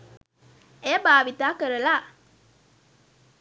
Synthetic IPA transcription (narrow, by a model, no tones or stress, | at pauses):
ebaːʋit̪aːkəɾəlaː